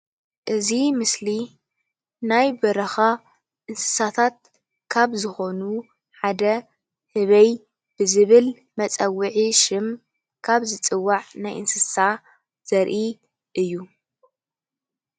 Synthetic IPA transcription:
ʔɨzimɨsli | najbɐɾɐxa | ʔɨnsɨ̥sat̪ʰat̪̚ | kʰaβzɨxo̞nu | ħad̪ɐ | hɨβɐj | b̥ɨzɨβɨl | mɐt͡sʼɐwɨʕiʃɪm | kʰaβzɨt͡sʼɨwːaʕnajʔɨnsɨsa | z̥ɐɾʔi | ʔɨjːu

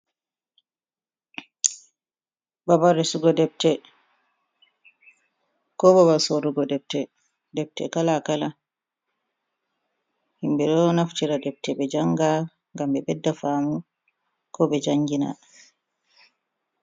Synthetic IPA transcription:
babaɾɛsuɡɔdɛb̚tɛ | kɔbabasoɾuɡɔdɛp̚tɛ | dɛb̚tɛ̰kalakala | himbɛɗɔnaftiɾadɛb̚tɛbɛd͡ʒaŋɡa | ŋɡambɛbɛdːafamu | kɔbɛd͡ʒaŋɡina̰

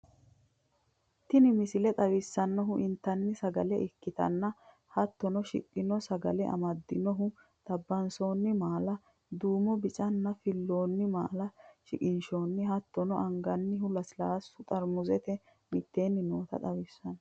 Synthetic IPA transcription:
t̪ːɪnɪmɪsɪlɛt̪ʼɐwɪsːɐnːɔɦʊʔɪnt̪ːɐnːɪsɐɡɐlɛʔɪkːɪt̪ɐ̰nːɐ | hɐt̪ːɔnɔʃɪ̰kʼːɪnɔsɐɡɐ̰lɛʔɐ̰mɐd̪ːɪnɔɦʊ | t̪ɐbːɐnso̞ːnːɪmaːlɐ | d̪uːmɔbɪt͡ʃʼɐnːɐfɪlːoːnːɪma̰ːlɐʃɪkʼɪnʃoːnːɪhɐt̪ːɔnɔʔɐŋɡɐnːɪɦʊlɐsɪlaːsːʊt̪ʼɐɾmʊzɛt̪ɛ | mɪt̪ːe̞ːnːɪnoːt̪ɐ̰t̪ʼɐwɪsːɐnɔ

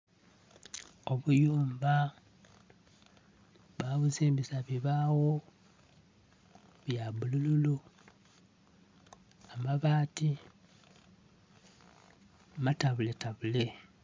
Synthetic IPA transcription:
o̞βujuːmba | βaβuziːmbisaβiβawo | βjaβulululu | amaβaːti | mataβuletaβule

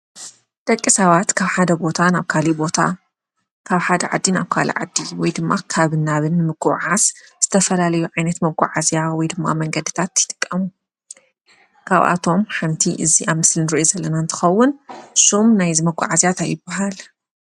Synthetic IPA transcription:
d̪̥ʼɐkʼːisɐβat̪kʰaβħad̪ɐbo̞t̪ʰanaβkʰalibo̞t̪ʰa̰ | kʰaβħad̪ɐʕad̪ːinaβkʰa̰lḭʕa̰d̪ːiwɔjd̪ɨmːakʰaβɨnːaβɨnːɨmɨɡʼuʕazz̥ɨt̪ʰɐfɐlalɐjuʕajnɐt̪mɐɡʷʼa̰ʕazijawɔjd̪ɨmːa̰mɐŋɡɐd̪it̪ʰat̪jɪt̪ʼɨkʼːɐmu | kʰa̰βʔa̰t̪ʰo̞mħamt̪ʰiʔɨziʔamɨslinɨɾiʔozɐlːɐnant̪ʰɨ̥xɐwːʊnsomnajzimɐɡʷʼa̰ʕazjat̪ʰajɪbaɦal

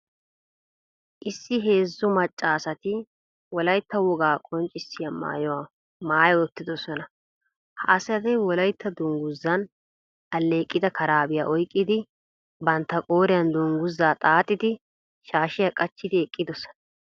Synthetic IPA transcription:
ʔɪsːɪɦe̞ːzːʊmɐt͡ʃʼːaːsɐt̪ɪ | wɔlɐjt̪ːɐwɔɡaːkʼɔnt͡ʃʼːɪsːɪjama̰ːjɔwa | maːjɔɔt̪ːɪd̪ɔsɔnɐ | ha̰ːsɐd̪ɛwɔlɐjt̪ʰːɐd̪ʊŋɡʊzːɐn | ɐlːe̞ːkʼːɪd̪ɐkʰɐɾaːbɪjaːʔɔjkʼːɪd̪ɪ | bɐnt̪ːɐkʼoːɾɪjɐnd̪ʊŋɡʊzːaːt̪ʼaːt̪ʼːɪd̪ɪ | ʃaːʃɪjakʼɐt͡ʃːɪd̪ɪɛkʼːɪd̪ɔsɔ̥nɐ

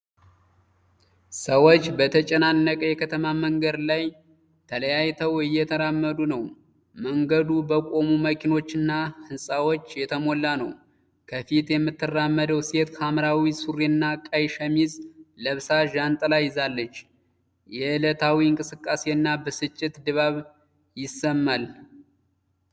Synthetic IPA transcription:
səwo̞t͡ʃːbət̪ʰət͡ʃʼɛnanːəkʼəjɛkʰət̪ʰəmaməŋɡəd̪laj | t̪ʰələjajt̪ʰəwɨjːɛt̪ʰəɾamːəd̪unəw | məŋɡəd̪ubəkʼo̞muməkʰino̞t͡ʃːɨnːahɨnsʼawo̞t͡ʃːjɛt̪ʰəmo̞lːanə̰w | kʰəfit̪jɛmːɨt̪ʰːɨrːamːəd̪əwse̞t̪hʰamɾawisuɾinːakʼajʃəmizləβsaʒant̪ʼlajːɪzalːət͡ʃː | jɛɨlət̪ʰawiɨŋkʼɨsɨkʼːase̞ɨnːabəsɨt͡ʃʼːɪt̪d̪ɨβaβ | jɪsːəmːal

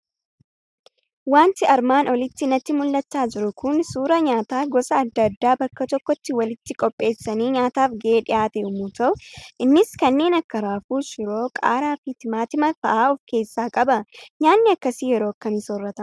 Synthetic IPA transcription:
waːnt̪ɪɐɾmaːnɔlɪt̪ːɪnɐt̪ːɪmʊlːɐt͡ʃːaːd͡ʒɪɾʊkʊnsuːɾɐɲaːt̪aːɡɔsɐːd̪ːɐd̪ːaːbɐkːɐt̪ɔkːɔt̪ːɪwɐlɪt̪ːɪkʼɔpʼːe̞ːsːɐniːɲaːt̪aːfɡɛeːᶑɪʔaːt̪ɛʊmuːt̪ɐʔʊʔɪnːɪskɐnːe̞ːnɐkːɐɾaːfuːʃɪɾo̞ːkʼa̰ːɾaːfit̪ɪmaːt̪ɪmɐfɐ̰ʔaːɔfke̞ːsːaːkʼɐbɐɲaːnːɪɐkːɐsiːjɛɾoːɐkːɐmɪsoːrːɐt̪ɐm

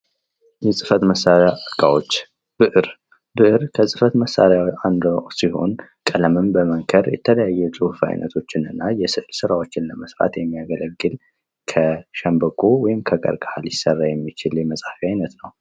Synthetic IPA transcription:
jɛsʼɨfət̪məsːaɾaɡʼawot͡ʃː | b̥ɨʔɨɾ | bɨʔɨɾkʰəsʼɨfət̪məsːa̰ɾjaand̪siho̞̰nkʼələmɨmbəməŋkʰəɾjɛ̰t̪ʰələjajːɛsʼɨhfa̰jnʔə̰t̪ʰo̞t͡ʃːɪnɨnːajɛsɨʔlsɨɾawo̞t͡ʃːɪnləməsɾa̰t̪jɛmːijaɡələɡːɨl | kʰəʃɛmbəkʰʼowɔjɪmkʰəɡə̰ɾɡahaljɪsərːajɛmːit͡ʃɪljɛməsʼafiajnət̪nəw

